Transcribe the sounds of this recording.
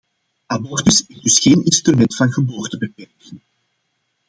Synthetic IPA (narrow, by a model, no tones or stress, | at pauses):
abɔrtʏsɪzdɵsxeːnɪnstrymɛntfɑnɣəboːrtəbəpɛrkɪŋ